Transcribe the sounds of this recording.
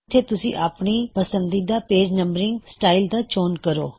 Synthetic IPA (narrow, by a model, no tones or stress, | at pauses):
t̪ʰːeːt̪ʊsḭ̃ːʔaːpɳiːpəsənd̪iːd̪aːpeːd͡ʒnəmbɾɪ̃ŋɡsʈaːild̪aːt͡ʃoːnkəɾo̰ː